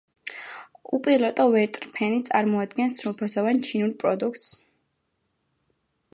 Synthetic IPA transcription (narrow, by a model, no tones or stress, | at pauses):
upʼiɾlˠɔt̪ʼɔvɛɾt̪ʼɾpʰɛnit̪sʼaɾmɔad̪ɡɛnsɾupʰasɔvant͡ʃʰinulpʼɾɔd̪ukʰt̪ʼs